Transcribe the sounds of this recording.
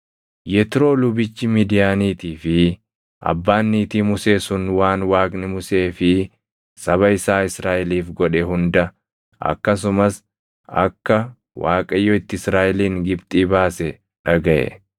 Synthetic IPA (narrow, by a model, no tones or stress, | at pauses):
jɛt̪ɪɾo̞ːlʊbɪt͡ʃːɪmiːd̪ɪjaːniːt̪iːfɪ | ʔɐ̰bːaːnːiːt̪iːmʊse̞ːsʊnwaːnwaːkʼnɪmʊse̞ːfɪ | sʼɐβɐɪsaːɪsɾaːʔɛliːfɡɔᶑɛhʊnd̪ɐ | ʔɐ̰kːɐs̬ʊmɐs | ɐ̰kːɐ | waːkʼɐjːɔɪt̪ːɪɪsɾaːʔɛliːŋɡɪbt̪ʼiːbaːsɛ | ᶑɐɡɐʔɛ̰